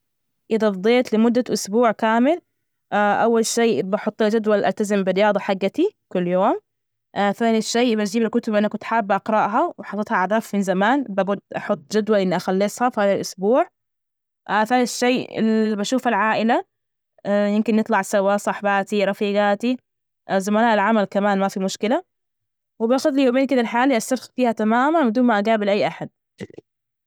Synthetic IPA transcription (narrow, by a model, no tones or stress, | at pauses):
ʔɪðabd̪ˤeːt̪lɪmʊd̪ːaʔʊsbuːʕkaːmɪl | ʔaʔawːalʃeːʔbɑħʊt̪ˤːald͡ʒad̪walʔalt̪azɪmbɪɾɪjɑːd̪ˤɑħaɡːat̪ikʊlːjoːm | ʔaθaːniʃːeːʔbat̪d͡ʒiːbalkʊt̪ʊbʔɪnːakʊt̪ħaːbːiʔɑqɾˤɑʔɦawɪħɑt̪ːˤɨt̪hɑʔaʕd̪aːfmɪnzamaːnbaɡʊd̪ʔɑħʊt̪ˤːd͡ʒad̪walʔɪnːiʔaxalːɪsˤhɑfihaːðalʔʊsbuːʕ | ʔaθaːniʃːeːɪ̰lbaʃuːfalʕaːʔɪla | jɪmkɪnːɨt̪ˤlɑʕsawasˤɑħbaːt̪iɾˤɑfiːɡaːt̪i | ʔzamaːnaːʔɪlʕamalkamaːnmafimʊʃkɪla | wɪbaːxʊðlijoːbeːnkɪd̪alħaaːliʔastːaɾxfiːhat̪amaːmanwɪd̪uːnmaʔaɡaːbɪlʔajːʔaħad̪̥̚